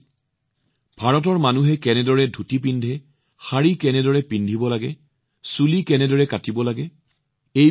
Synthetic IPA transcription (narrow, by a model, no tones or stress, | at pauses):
bʱaɹɔt̬ɔɹmanuɦɛkɛnɛdɔɹɛdʱutip̬indʱɛ | xaɹikɛnɛdɔɹɛpindʱibɔlaɡɛ | sulikɛnɛdɔɹɛkatibɔlaɡɛ | ej